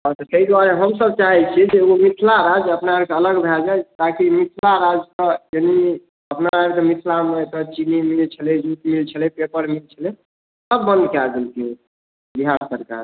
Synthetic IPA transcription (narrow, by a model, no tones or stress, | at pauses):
ɔɾt̪ɔk̪əid̪waɾeɦəmsəb̚t͡ʃaɦɛt͡ʃʰid͡ʒeomit̪ʰlaɾad͡ʒəpnabkeələɡbʱɛld͡ʒajt̪akimit̪ʰlaɾad͡ʒkəjeni | əpnaɾad͡ʒkemit̪ʰlamet̪ət͡ʃinimilt͡ʃʰəled͡ʒuʈ̪milt͡ʃʰəlɛpepəɾmilt͡ʃʰəlɛ | səbːənd̪keaɡ̪elk̪ʰi | biɦaɾsəɾka̰ɾ